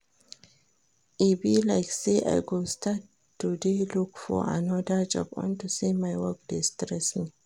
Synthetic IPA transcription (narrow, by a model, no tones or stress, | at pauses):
ʔibilaɪkseʔa̰jɡostatː | udelukfɔ̰ʔa̰nɔdad͡ʒɔ̰bɔ̰̃ntusimajwɔk̚dɪstɾɛsni